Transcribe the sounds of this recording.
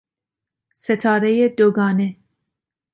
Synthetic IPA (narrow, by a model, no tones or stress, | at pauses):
set̪ʰɑːɾejed̪oɡɑːne